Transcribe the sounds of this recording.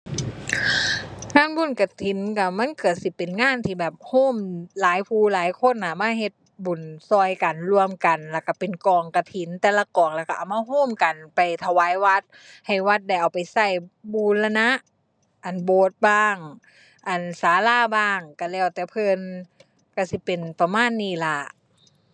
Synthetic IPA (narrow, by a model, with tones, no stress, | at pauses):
ŋaː˧˥˨nbu˧˩˨nka˧˩t̪ʰi˨˦nka˧˩ma˧˥˨nkʰɯ˧˩ət̪̚si˧˦pe˨nŋaː˧˥˨nt̪ʰiː˧bɛː˨˩p̚hoː˧˥˨mlaː˨˦jpʰuː˧laː˨˦jkʰo˧˥˨na˧˩maː˧˥˨ɦe˧t̪̚bu˨˩nsɔː˧jka˨nlu˧əmka˨˩nlɛ˧˩ka˧˩pe˨nkɔː˨˩ŋka˧t̪ʰi˨˦nt̪ɛː˧la˧kɔː˨˩ŋlɛː˧˩wka˧ʔa˨˩wmaː˧ɦoː˧˥˨mka˨npa˨˩jt̪ʰa˧waː˨˧˦jwa˧˥t̪̚ | ha˨˩jwa˧˦˥t̪̚da˧˩jʔa˨˩wpa˨˩jsa˧˩jbuː˧˦nla˧na˧˥ʔ | ʔa˨˩nboː˨˧˦t̪̚baː˧˩ŋ | ʔa˨˩nsaː˨˦laː˧˩˨baː˧˥˩ŋka˧˩lɛː˧˩wt̪ɛː˧˩pʰɤː˧˨n | ka˧˩si˧˦pe˨npa˧maː˧˥˨nːiː˧˩la˧ʔ